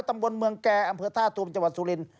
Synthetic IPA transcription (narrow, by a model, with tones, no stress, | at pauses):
t̪a˧mbo˧nmɯ˧əŋkɛː˧˩ʔa˧mpʰɤː˧t̪ʰaː˥˩t̪u˧əmt͡ɕa˧ŋwa˨˩t̪̚suː˧li˧n